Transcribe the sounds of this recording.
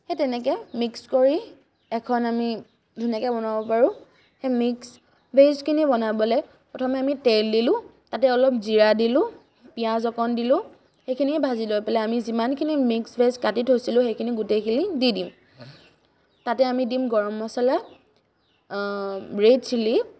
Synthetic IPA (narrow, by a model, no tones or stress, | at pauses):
hetɛnɛkɛmikskoɹi | ɛkʰɔnami | dʱunjakɛbɔnabɔpaɹʊ̃ | hɛmiks | bʱezkʰinibɔnabɔlɛ | pɹɔtʰɔmɛamiteldilʊ̃ | tatɛɔlɔp̚ziɹadilʊ̃ | pijazɔkɔndilʊ̃ | xejkʰiniɛbʱazilojpɛlɛamizimankʰinimiksbʱezkatitɦojsilʊ̃xejkʰiniɡutejkʰinididim | tatɛamidimɡɔɹmɔsala | ɹedsilip̚